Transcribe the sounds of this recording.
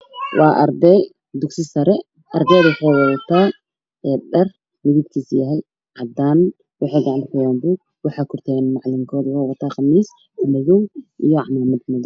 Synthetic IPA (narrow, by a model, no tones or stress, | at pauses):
wɑːʔɐ̰ɾd̪ɛj | d̪ʊksɪsɐɾɛ | ʔɐrd̪ɛːd̪wʊħɔːwɐðɐt̪ʰaː | ɛːɖɐr | mɪðib̪kʰiːsjɐɦɛj | ʕɑd̪aːn | wɑħiːɡɑʕanħʊjaːmbuɡ | wɑħɑːkʰʊrt̪ʰɛːnmɑʕlɪŋkʰɔːd̪wħːwɐt̪ʰaːχɑmiːs | mɪðɔwʔijɔʕmaːmɐd̪mɪðɔw